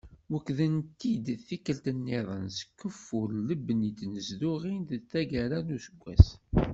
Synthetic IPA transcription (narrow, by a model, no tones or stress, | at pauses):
wəkːðənt̪id̪θikːəlt̪ənːeðˤənsə̥kːəfːʊɾləbnit̪nəzd̪ʊʁind̪t̪ːæɡæɾænusəɡʷːæ̰s